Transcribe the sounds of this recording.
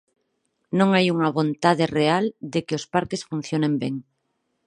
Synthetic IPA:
nõŋajuŋaβõnt̪að̞ereald̪ekeospaɾkesfun̟θjonẽmbeŋ

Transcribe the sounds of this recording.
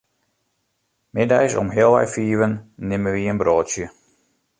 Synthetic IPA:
mɪdɛjsɔ̰mɦɪəlˠʋɛ̰jfiːʋənːɪməʋiənbroːtsjə

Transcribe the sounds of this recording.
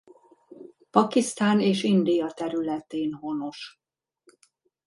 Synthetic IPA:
pɒkist̪aːneːʃind̪ijɒt̪ɛɾylɛt̪eːnho̞no̞ʃ

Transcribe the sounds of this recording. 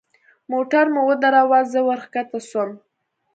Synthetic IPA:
moʈaɾmʊwəd̪aɾawazəwaɾxkat̪asəm

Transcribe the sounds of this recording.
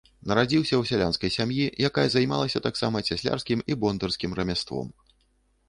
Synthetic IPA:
nɐɾad͡zʲiwsʲɐwsʲalʲanskɐjsʲamjijakajɐzajma̰lˠɐsʲɐt̪aksamɐt͡sʲasʲlʲa̰rskʲimibɔnd̪ɐrskʲimrɐmʲast̪vɔ̰m

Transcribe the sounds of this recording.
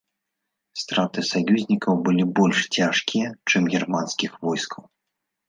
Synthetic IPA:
st̪ɾat̪ɨsajuzʲnʲikɐwbɨlʲibɔlʲʂt͡sʲaʂkʲijɐt͡ʂɨmɣʲirmanskʲixvɔjskʰɐw

